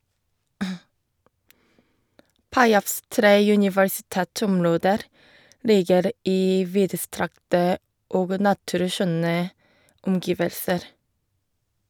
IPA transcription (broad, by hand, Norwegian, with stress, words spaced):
ˈpɑɪɑfs ˈtɾeː jʉnɪʋəɹsɪˈtɛˌtɔmˌɹoːdəɾ ˈliːɡəɾ ˈiː ˈʋiːdəˌstɾɑktə ˈoːɡ ˈnɑtʉɾˌʃœnə ʊmˈɡɪʋəlsəɾ